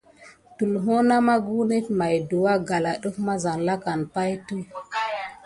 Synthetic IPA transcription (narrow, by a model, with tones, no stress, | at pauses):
tu˨lɦo˦na˦ma˦ɡu˦ne˦tma˨jdu˨wa˦ɡa˨la˨ɗu˦kma˦za˨nla˦ka˨npa˦jtu˦